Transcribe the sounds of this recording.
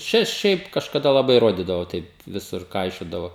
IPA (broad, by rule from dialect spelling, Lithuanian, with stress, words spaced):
ˈt͡ʃʲɛ ˈʃʲɛɪp kɐʃkɐˈdɐ lˠɐˈbɐɪ ˈroːdʲiːdɐʋoː ˈtɐɪp ˈʋʲɪsʊr ˈkɐɪʃʲoːdɐʋoː